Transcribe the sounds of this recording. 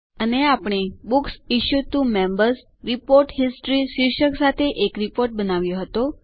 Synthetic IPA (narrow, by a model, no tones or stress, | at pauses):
əneapɳ̃ebuksiʃjut̪umembəɾs | ɾipoɾʈɦisʈɾiʃiɾʃəksat̪ʰeʔekɾipoɾʈ̚bənaʋjoɦət̪o